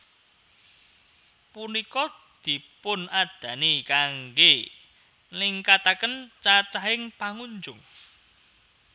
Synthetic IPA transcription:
punikɔ | d̪̥i̤pʊnad̪̥ä̤nikaŋɡe | liŋkat̪akənt͡ʃat͡ʃaɦɪŋpaŋuɲd͡ʒʊŋ

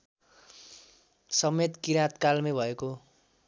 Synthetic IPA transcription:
sʌmet̪kiɾat̪kalmʌbʱʌeko

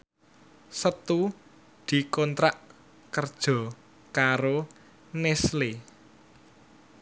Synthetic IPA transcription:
sət̪u | d̪̥i̤kɔnt̪ɾaʔ | kərd̥ʒ̥ɔ̤ | kaɾo | nesle

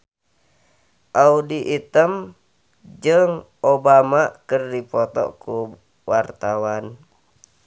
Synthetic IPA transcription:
ʔaudiʔit̪əm | d͡ʒɨŋʔobamakərdipɔt̪ɔ̰ku | wart̪awan

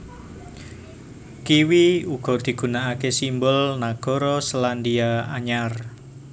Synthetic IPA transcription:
kiwiuɡ̥ɔ̤d̪̥i̤ɡ̥ṳnaʔakesimbʊlnaɡ̥ɔ̤ɾɔsəland̪iaaɲar

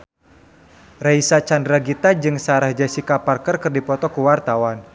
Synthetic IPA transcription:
raisat͡ʃandɾaɡit̪ad͡ʒɨŋsaɾahd͡ʒasikaparkərkɨrdipɔt̪ɔkuwart̪awan

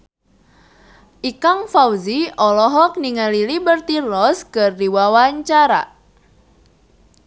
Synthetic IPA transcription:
ʔikaŋfawziɔlɔɦɔk̚niŋalilibərt̪ilɔskərdiwawaɲt͡ʃaɾa̰

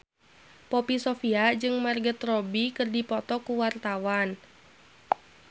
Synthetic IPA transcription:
pɔpisɔfiad͡ʒɨŋmarɡət̪rɔbikɨrdipɔt̪ɔkuwart̪awan

